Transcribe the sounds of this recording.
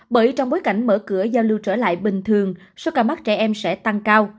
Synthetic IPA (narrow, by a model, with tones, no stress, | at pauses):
ɓəː˧˩jt͡ɕɔ˧wŋ͡mɓo˨˦jka˧˩jŋ̟məː˧˩kɨ˧˩əzaː˧wlɨ˧wt͡ɕəː˧˩la̰ː˧˨jɓï˨˩ŋ̟t̪ʰɨ˨˩əŋ | sɔ˧wkaː˧˩ma˦˥t̚t͡ɕɛ˧˩ʔɛ˧msɛ̰˧˥t̪a˧ŋkaː˧w